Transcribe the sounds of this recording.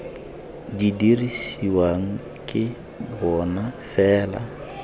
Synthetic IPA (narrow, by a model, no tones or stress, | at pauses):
d͡ʒidiɾisiwaŋ | kɪ | bɔnafɛːla̰